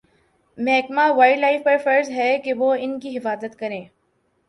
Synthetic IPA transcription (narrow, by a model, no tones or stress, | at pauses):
mɛɦkmaʋaːɪʈlaːɪfpɐɾfɐɾzɦɛkeʋoːɪnkiɦɪfaːzət̪kɐɾẽː